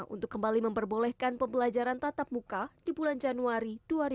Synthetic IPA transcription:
ʔṵnt̪ʊkːəmbaliməmpərbolɛhkanpəmbəlad͡ʒaɾant̪at̪ap̚mukad̥ibuland͡ʒanuaɾid̥uaɾi

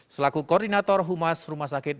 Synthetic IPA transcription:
səlakukɔrdinat̪ɔrɦumasrumahsakɪt̪̚

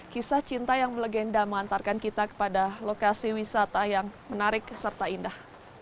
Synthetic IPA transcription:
kisaht͡ʃint̪ajaŋmələɡɛndaməŋant̪arkankit̪akə̥padalokasiwisat̪ajaŋmənaɾɪksərt̪aindah

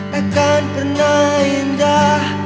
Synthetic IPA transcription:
akanpərnahind̪ah

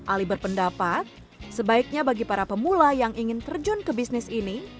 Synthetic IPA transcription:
ʔalibərpəndapat̪̚ | səbaik̚ɲabaɡipaɾapəmulajaŋiŋɪnt̪ərd͡ʒʊnkəbisnɪsini

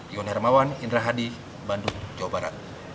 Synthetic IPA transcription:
iɔnɦɛrmawaninraɦadi | banduŋd͡ʒawabaɾa̰t̪̚

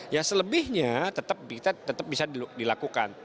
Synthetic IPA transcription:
jasələbɪhɲat̪ət̪əp̚kit̪at̪ət̪əp̚bisadidilakukan

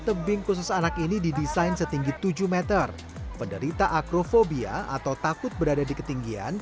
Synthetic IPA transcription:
t̪əbɪŋkus̬ʊsanakinididisajnsət̪iŋɡit̪ud͡ʒuhmɛt̪ər | pəndəɾit̪aʔakɾofobia̰ʔa̰t̪awt̪akʊt̪̚bəɾadadikət̪iŋɡia̰n

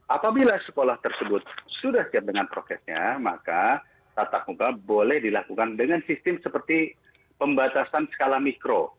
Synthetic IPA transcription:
ʔapabilasə̥kolaht̪ərsəbʊt̪̚sudahsiap̚dəŋanpɾosɛsɲa̰maka | t̪at̪ak̚ukabolɛhdilakukandəŋansist̪ɪmsəpərt̪i | pəmbat̪asansə̥kalamikɾo

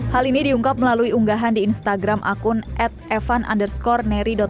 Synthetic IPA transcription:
halinidiuŋkap̚məlaluiuŋɡaɦandiːnst̪aɡɾamʔa̰kʊnʔɛt̪̚ɛfanʔa̰ndərskɔrnɛɾidɔt̪̚

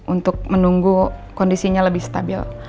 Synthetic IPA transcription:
ʔunt̪ʊk̚mənuŋɡukondisiɲaləbɪhst̪abɪ̰l

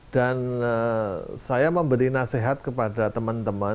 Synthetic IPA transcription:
d̥anəsajaməmbəɾinaseɦat̪̚kəpadat̪əmant̪əmə

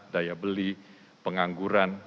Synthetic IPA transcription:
dajabəli | pəŋaŋɡuɾan

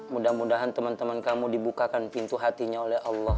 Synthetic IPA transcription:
mudahmudaɦant̪əmant̪əmankamudibukakanpint̪uɦat̪iɲaolɛhʔɑlːɔh

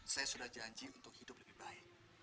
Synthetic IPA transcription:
sajasudahd͡ʒaɲd͡ʒiunt̪ʊk̚hidʊp̚ləbihbaɪk̚

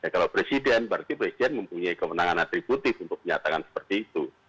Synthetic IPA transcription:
jakalapɾesidɛnbaɾat̪ipɾesidɛnməmpuɲaikəwənaŋanat̪ɾibut̪ɪfunt̪ʊk̚məɲat̪akansə̥pərt̪iːt̪u

